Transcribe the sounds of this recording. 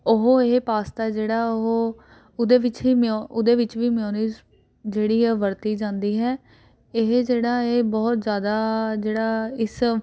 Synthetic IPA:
ʊɦoeɦepaːst̪ad͡ʒeːɽaːoɦoː | ʊd̪eːʋɪt͡ʃiːmoʊd̪eːʋɪt͡ʃʋiːmɪjoːniːz | d͡ʒeːɽiːɛːʋəɾt̪iːd͡ʒãːnd̪iːɦɛː | ɪɦd͡ʒeːɽaːeːbɔːt̪zjaːd̪aːd͡ʒeːɽaːɪs

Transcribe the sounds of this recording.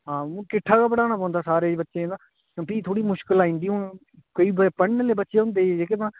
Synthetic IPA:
ɦãːkɪʈʰːaːkaːpəɽaːnaːpɔ̃ːnd̪aːsaːɾeːbətːʃẽːnd̪aː | piːt̪ʰoːɽiːmʊʃkəlaːɦĩnd̪iːõː | koːiːbpəɳːleːbətːʃeːɦʊ̃nd̪eːeːkɪt̪ãː

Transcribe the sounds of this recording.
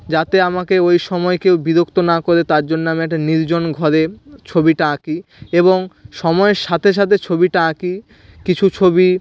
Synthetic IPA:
d͡ʑat̪eamakeojʃɔmɔekewbid̪okt̪onakoɾet̪aɾd͡ʑonːoamiɛk̚ʈaniɾd͡ʑonɡʱɔɾet͡ɕʰobiʈaaki | eboŋʃɔmɔeɾʃat̪ʰeʃ̬at̪ʰet͡ɕʰobiʈaaki | kit͡ɕʰut͡ɕʰobi

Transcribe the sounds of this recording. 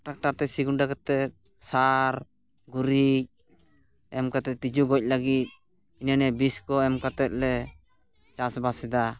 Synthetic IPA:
ʈak̚ʈaɾt̪ɛsiɡuɳɖakat̪ɛt̪̚ | saɾ | ɡuɾic̚ | ɛmkat̪ɛt̪id͡ʒuɡɔc̚laɡit̪̚ | inanɛbiskɔɛmkat̪ɛt̪̚lɛ | t͡ʃasbasɛd̪a

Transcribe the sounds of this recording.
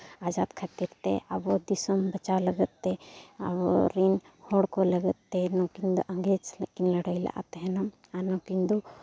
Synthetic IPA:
ad͡ʒad̪kʰat̪iɾt̪ɛ̰abɔd̪isɔmbət͡ʃawlɐɡət̪ːɛa̰bɔɾinhɔɽkɔlɐɡət̪ːɛnɔ̃kind̪ɔʔə̃ŋɡet͡ʃlekinləɽəjla̰ʔa̰t̪ɛɦɛnam | anɔ̃kind̪ɔ

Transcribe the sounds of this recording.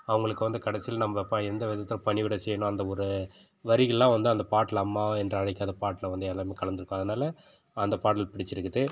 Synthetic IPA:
ɐʋɐŋɡɐɭɯkːɯʋɐnd̪ɯkɐɽɐsɪjɪlnɐmbɐɛpːãːɪɾɯnd̪ɐʋɛðɐt̪ːɪlɐpɐɳɪʋɪɽɐsɛjːɐɳʊ̃ɐnd̪ɐɔɾɯ | ʋɐɾɪɣɐɭlãːʋɐnd̪ɯɐnd̪ɐpaːʈːɪlɐmːaːɛndrɐɐɽɛkːaːðɐpaːʈːɪlɐʋɐnd̪ɯɛlaːmeːkɐɭɐnd̪ɯɾɯkːõɐðɯnaːlɐ | ɐnd̪ɐpaːʈɐlpɪɽɪt͡ʃːɪɾɯkːɯðɯ

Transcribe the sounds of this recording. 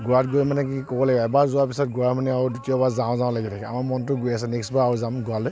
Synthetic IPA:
ɡuɹatɡojmanɛk̬ikɔbɔlaɡiɛbazuapisɔt̚ɡuɹamanɛaɹudutiɔbazaɔ̃zaɔ̃laɡitʰakɛa̰maɹmɔntʊɡojasɛneksbaaɹuzamɡualɔ

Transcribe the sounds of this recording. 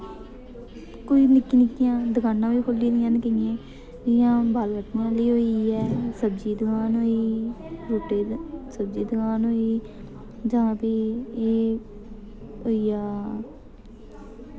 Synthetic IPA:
koiːnɪkːiːnɪkːɪjãːd̪əɡaːnːãːiːkʰoliːd̪ɪjãːnkəẽː | ɪjãːbaːlbəʈːjãːliːɦoːiːɛːsəbd͡ʒiːd̪əɡaːnɦoːiːɾoːʈeːsəbd͡ʒiːd̪əɡaːnoːiː | d͡ʒãːpiːeː | oːiːaː

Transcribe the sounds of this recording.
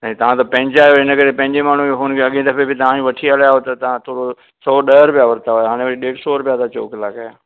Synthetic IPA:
sɐ̃ĩt̪ɐʋ̤ãt̪ɐpɐ̃ɦɪ̃ɲd͡ʑaːjoɪnəkɐɾepɐ̃ɦɪ̃ɲd͡ʑemaːn̤ũɦʊnəkʰeɐɠẽd̪ɐpebɪt̪ɐʋ̤ãjũʋɐʈʰialajaɦot̪ɐt̪ɐʋ̤ãt̪ʰoːɽo | sɔːɗəɦɾʊpijaʋɐɾt̪aɦojɦaːɽ̃ẽʋəɽiɗeːɽsɔɾʊpjat̪at͡ɕo̰ːkɪlaːkaːjaː

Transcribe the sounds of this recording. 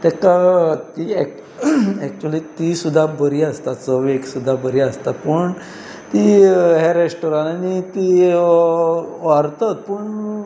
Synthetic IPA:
t̪ɛkat̪iɛk | ɛk̚t͡ɕuəlit̪isud̪ʱːabəɾiəst̪at̪səʋeksud̪ʱːabəɾiəst̪at̪pəɳ | t̪iɦɛɾesʈoɾãnanit̪i | ʋaɾt̪ət̪̚pəɳ

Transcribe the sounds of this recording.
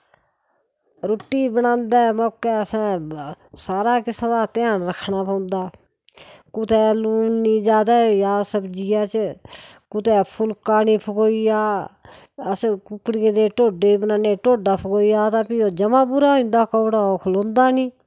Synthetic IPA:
ɾʊːʈːiːbənãːnd̪ɛːmɔːkːɛːəsɛ̃ː | saːɾaːkɪsaːd̪aːt̪ɪjaːnɾəkʰːnaːpəːʊnd̪aː | kʊt̪ɛːluːnniːd͡ʒaːd̪aːjaːsəbd͡ʒiːaːt͡ʃ | kʊt̪ɛːpʰʊlkaːniːpʰəkoːijaː | əskʊkɽiẽːd̪eːʈoːɖeːbənãːneːʈoːɖaːpʰəkoːijaːt̪aːpiːoːd͡ʒəmãːbʊɾaːɦĩːnd̪aːkəːɽaːoːkʰʊlõːnd̪aːniː

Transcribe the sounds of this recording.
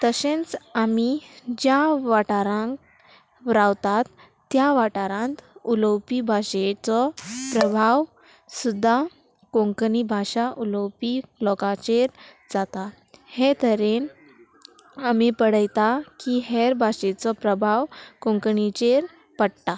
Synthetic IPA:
t̪əɕẽnt͡samid͡ʑjaʋaʈaɾãŋk | ʋɾawt̪at̪ː | jaʋaʈaɾãnt̪uləwpibʱaɕet͡sɔpɾəbʱaʋ | sud̪ʱːa | kõŋknibʱaɕaʔuləwpilɔkat͡ɕeɾ | d͡zat̪a | het̪əɾen | amipəɽəjt̪akiɦeɾbʱaɕet͡sɔpɾəbʱawkõŋkəɳit͡ɕeɾ | pəɽt̪a

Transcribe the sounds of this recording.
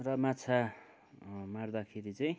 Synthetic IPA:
rʌmat͡sʰa | maɽd̪akʰeɾit͡saĩ

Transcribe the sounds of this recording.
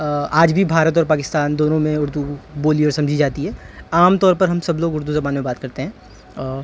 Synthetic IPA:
aːd͡ʒbʱibʱaːɾət̪̬ɔːɾpaːkɪst̪aːnd̪oːnõmẽʊɾd̪uboːliɔːɾsɐ̃md͡ʒʱid͡ʒaːt̪iɦɛːaːmt̪ɔːɾpɐɾɦɐmsɐbloːɡʊɾd̪uzɐbaːnmẽbaːt̪kɐɾt̪eɦɛ̃ː

